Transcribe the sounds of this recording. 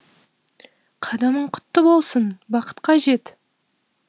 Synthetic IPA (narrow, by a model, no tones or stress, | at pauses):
qʰɑd̪ɑməɴqʰʊ̥t̪ːəbo̞lˠsənbɑqə̥t̪qʰɑʒe̞t̪